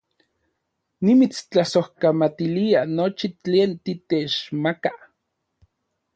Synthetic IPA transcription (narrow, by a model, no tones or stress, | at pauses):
nimit͡st͡ɬasohkamat̪ilianot͡ʃit͡ɬeːnt̪it̪et͡ʃmaka